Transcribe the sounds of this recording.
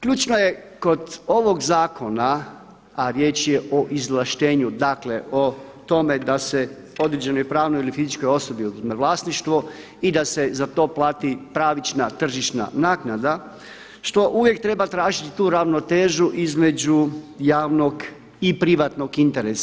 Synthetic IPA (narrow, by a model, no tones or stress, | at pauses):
kʎuːt͡ʃnojeko̞d̪o̞ʋo̞ɡzaːko̞na | aɾjeːt͡ʃjeʔoʔizlˠaʃt̪e̞ːɲud̪akle̞ʔo̞ | t̪o̞me̞d̪ase | o̞d̪ɾed͡ʑe̞nojpɾaːʋnojilifizit͡ʃko̞jo̞so̞biomeʋlˠaːst̪niʃt̪ʋo̞ | id̪ase̞zat̪o̞ːplˠaːt̪ipɾaːʋit͡ʃnat̪r̩ʒiʃna̰naːknad̪a | ʃt̪o̞ʔuʋje̞k̚t̪ɾe̞bat̪ɾaːʒit̪i̥t̪uːɾaʋno̞t̪eːʒuʔizme̞d͡ʑujaːʋno̞ɡ | ipɾiʋat̪no̞ɡint̪e̞ɾesa